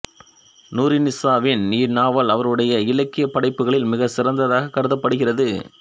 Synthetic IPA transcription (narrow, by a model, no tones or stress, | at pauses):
nuːɾɪnɪsaːʋɪniːɾnaːʋɐlɐʋɐɾɯɽɐjɐɪlɐkːɪjɐpːɐɽɐɪpːɯɣɐɭɪlmɪɣɐsɪrɐnd̪ɐðaːɣɐkːɐɾɯðɐpːɐɽɯɣɪrɐðɯ